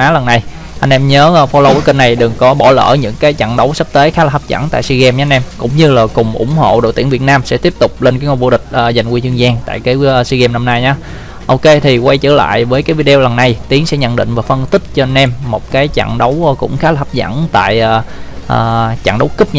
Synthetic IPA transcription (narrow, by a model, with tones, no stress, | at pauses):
ʔaː˨˦lə˨˩nːa˨˩j | ʔa˧n̟ʔɛ˧mɲəː˨˦˧fo˧lə˧wə˨˦kə˧nːa˨˩jɗɨ˨˩ŋkɔ˨˦ɓɔ˧˩lə̰ː˧˩ɲɨ̰˧˥ŋkaː˨˦jt͡ɕa̰˧˨ŋɗə˨˦wsə˦˥p̚t̪eː˨˦xaː˨˦laː˨˩hə˦˥p̚za̰˧˩nt̪a̰ː˧˨swi˧ɣɛ˧mɲaː˧nʔɛ˧mkʊ̰˧˥ŋ͡mɲɨ˧laː˨˩kʊ˨˩ŋ͡mʔʊ̰˧˩˥ŋ͡mho̰˧˨ɗo̰˧˨t̪i˧˩əŋvi˨˩ət̚naː˧msɛ̰˧˥t̪i˦˥əp̚t̪ʊ˨˩k͡p̚le˧nkaː˨˦ŋo˧˩jvṵ˧˩ɗï˨˩k̟̚ʔːza˨˩jŋ̟kwi˧t͡ɕɨ˧əŋzaː˧ŋt̪a̰ː˧˨jkaː˨˦jsi˧ɣɛ˧mna˧mnaː˧jɲaː˨˦ | ʔo˧wke˧t̪ʰi˨˩kwa˧jt͡ɕə̰ː˧˩la̰ː˧˨jvəː˨˦jkaː˨˦jvi˧ɗe˧o˧wlə˨˩nːa˨˩jt̪i˨˦əŋsɛ̰˧˥ɲə̰˧˨nɗḭ˧˨ŋ̟vaː˨˩fə˧nt̪ʰï˦˥k̚t͡ɕɔ˧ʔa˧nʔɛ˧mːo˨˩t̚kaː˨˦jt͡ɕa̰˧˨ŋɗə˨˦wkʊ̰˧˥ŋ͡mxaː˨˦laː˨˩hə˦˥p̚za̰˧˥nt̪a̰ː˧˨jʔaː˨˩ʔəː˨˩t͡ɕa̰ː˧˨ŋɗə˨˦wkɨ˦˥p̚ɲ